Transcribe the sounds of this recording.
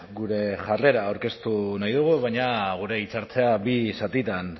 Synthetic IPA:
ɡuɾe̞ʝare̞ɾaːwɾke̞st̪unajðuɣ̞uβaɲaɣ̞uɾe̞it͡saɾt͡se̞abisat̪it̪an

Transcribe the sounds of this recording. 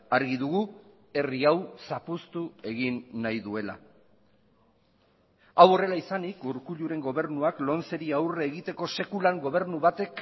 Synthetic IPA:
aɾɣiðuɣu | e̞riawsapust̪ue̞ɣinːajðue̞la̰ | awo̞re̞laisanikuɾkuʎuɾe̞ŋɡo̞β̞e̞ɾnuaklo̞nt͡se̞ɾiawre̞ːɣit̪e̞ko̞se̞kulaŋɡo̞β̞e̞ɾnuβat̪e̞k

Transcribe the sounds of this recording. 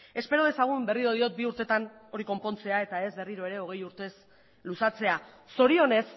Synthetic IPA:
e̞spe̞ɾo̞ð̞e̞saɣ̞umbe̞riɾoð̞io̞t̪̚biuɾt̪e̞t̪ano̞ɾiko̞mpo̞nt͡se̞ae̞t̪ae̞zbe̞riɾo̞e̞ɾe̞o̞ɣ̞e̞juɾt̪e̞s | lusat͡se̞aː | o̞ɾio̞ne̞s

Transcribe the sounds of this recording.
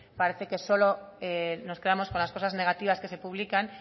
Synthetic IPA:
paɾe̞θe̞ke̞so̞lo̞eno̞ske̞ð̞amo̞sko̞nlasko̞sazne̞ɣ̞at̪iβ̞aske̞se̞puβ̞likan

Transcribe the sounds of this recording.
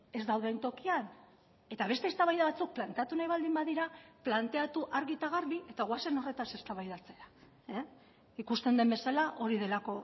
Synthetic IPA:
e̞zd̪awðe̞nt̪o̞kian | e̞t̪aβ̞e̞st̪e̞ːst̪aβajðaβat͡suk̚plant̪e̞at̪unajβald̪imbaðiɾaplant̪e̞at̪uʔaɾɣit̪aɣ̞aɾβiʔe̞t̪aɣwase̞no̞re̞t̪ase̞st̪aβajðat͡se̞ɾa | ikust̪e̞nd̪e̞mbe̞salaʔo̞ɾiðe̞lako̞

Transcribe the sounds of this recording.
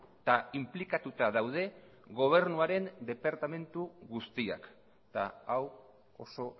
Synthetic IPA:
t̪aimplikat̪ut̪aðawð̞e̞ | ɣo̞β̞e̞ɾnuaɾe̞nd̪e̞paɾt̪ame̞nt̪uɣust̪ia̰k | t̪aaw | oso̞

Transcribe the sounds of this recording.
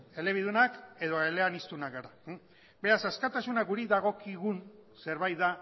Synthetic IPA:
e̞le̞β̞iðunake̞ðo̞ele̞anist̪unakɡaɾa | be̞ɾasaskat̪asunakɡuɾiðaɣ̞o̞kiɣunse̞ɾβajt̪ða

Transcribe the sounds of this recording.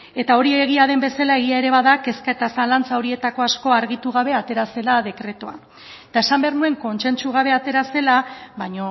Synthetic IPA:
e̞t̪ao̞ɾieɣ̞iaðe̞mbe̞salae̞ɣiae̞ɾe̞βaðake̞skae̞t̪asalant͡sao̞ɾie̞t̪ako̞asko̞aɾɣit̪uɣ̞aβ̞e̞at̪e̞ɾase̞laðe̞kɾe̞t̪oa | et̪ae̞sambeaɾnue̞ŋko̞nse̞nt͡ʃuɣ̞aβ̞e̞at̪e̞ɾase̞laβaɲo̞

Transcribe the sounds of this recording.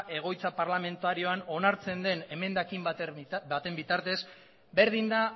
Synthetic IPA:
ʔe̞ɣ̞o̞jt͡sapaɾlame̞nt̪uaɾio̞ano̞naɾt͡se̞nd̪e̞ne̞me̞nd̪akimbbat̪e̞mbit̪aɾt̪e̞s | be̞ɾðind̪a

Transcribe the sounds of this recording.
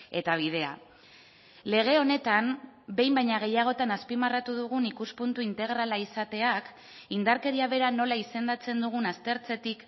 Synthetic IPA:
e̞t̪aβ̞ið̞e̞a̰ | le̞ɣ̞e̞o̞ne̞t̪ambe̞jmbajɲaɣ̞e̞jaɣ̞o̞t̪anaspimarat̪uðuɣ̞unikuspunt̪uint̪e̞ɣ̞ɾalaisat̪e̞ak | ind̪aɾke̞ɾiaβe̞ɾano̞laise̞nd̪at͡se̞nd̪uɣ̞unast̪e̞ɾt͡se̞t̪ik

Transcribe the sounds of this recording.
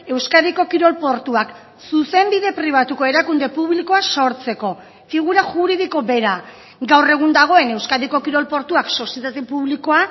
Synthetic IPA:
e̞wskaðiko̞kiɾo̞lpo̞ɾt̪uak | suse̞mbiðe̞pɾiβ̞at̪uko̞e̞ɾakund̪e̞puβliko̞aso̞ɾt͡se̞ko̞ | fiɣ̞uɾaʝuɾiðiko̞be̞ɾa | ɡawre̞ɣ̞und̪aɣ̞o̞e̞ne̞wskaðiko̞kiɾo̞lpo̞ɾt̪uakso̞sje̞t̪at̪epuβliko̞a

